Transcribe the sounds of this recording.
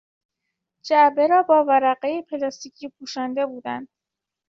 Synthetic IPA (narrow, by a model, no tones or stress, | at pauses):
d͡ʒæbe̞ɾɒːbɒːvæɾæɢejepʰelɒst̪iːcʰiːpʰuːʃænd̪e̞buːd̪ænd̪̥